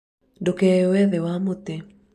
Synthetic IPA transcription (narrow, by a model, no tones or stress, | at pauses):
ndokɛwɛðewamot̪e